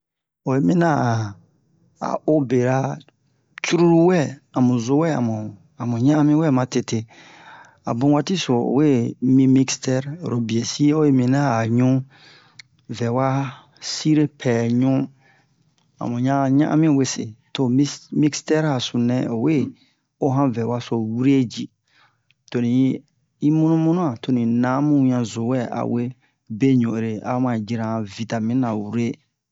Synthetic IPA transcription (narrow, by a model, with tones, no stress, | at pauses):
o˨je˨mĩ˦nã˦˨ | a̰˨o˦be˨ɾa˨ | t͡ʃu˦ɾu˦ɾu˦wɛ˦˨a˨mũ˨zo˦wɛ˦˨a̰˨mũ˨ | a˨mũ˨ɲã˦a˦mĩ˦wɛ˦˨mã˨te˨te˨ | a̰˨bũ˦wa˦ti˦so˨o̰˨we˦˨mĩ˦mĩ˦kstɛ˦ɾɾo˨bi˨e˨si˦o˦je˦mĩ˨nã˦a˨ɲũ˦ | vɛ˨wa˦ | si˦ɾe˦pʰɛː˨ɲũ˦ | a̰˨mũ˨ɲã˦ɲã̰˦ʔã̰˦mĩ˦˨we˦sḛ˨to˨m˦mĩ˦kstɛ˦ɾa˨sũ˨nɛ̃˦o˨we˦ | o˦ɦã˦vɛ˨wa˦so˨wu˦ɾe˦d͡ʒi˨ | to˨nĩ˨˦ | i˦mũ˦nũ˦mũ˦nũ˦a˨to˨nĩ˨nã˨˦mũ˦ɲã˨zo˨wɛ˦a̰˨we˦ | be˦ɲõ˨e˨ɾe˨a̰˨˦m˦ã˨d͡ʒi˦ɾã˨vi˨ta˨mĩ˦nã˨wu˦ɾe˦